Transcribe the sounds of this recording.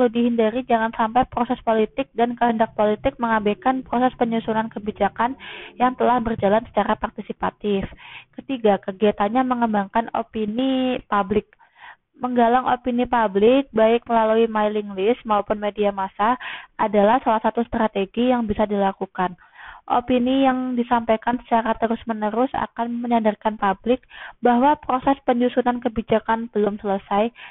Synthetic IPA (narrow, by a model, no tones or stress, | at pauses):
kəludiɦindaɾid͡ʒaŋansampajpɾosɛspolit̪ɪk̚dankəɦəndak̚polit̪ɪk̚məŋabɛkanpɾosɛspəɲusunankəbid͡ʒakanjaŋt̪əlahbərd͡ʒalansə̥t͡ʃaɾapart̪isipat̪ɪfkət̪iɡakəɡiat̪anɲaməŋəmbaŋkano̰pinipablɪk̚ | məŋɡalaŋʔo̰pinipablɪk̚baɪk̚məlaluimailiŋlɪsmaupʊnmediamasaʔadalahsalahsat̪ust̪ɾat̪eɡijaŋbisadilakukan | ʔo̰pinijaŋdisampajkansə̥t͡ʃaɾat̪əɾʊsmənəɾʊsa̰kanməɲadərkanpablɪk̚baɦwapɾosɛspəɲd͡ʒusunankəbid͡ʒakanb̥əlʊmsələsaj